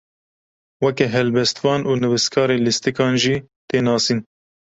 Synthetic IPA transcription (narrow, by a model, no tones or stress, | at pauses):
wɛkɛɦɛlbɛst̪vɑːnʔuːnɨvɨskʰɑːɾeːlɨst̪ɨkɑːnʒiː | t̪eːnɑːsiːn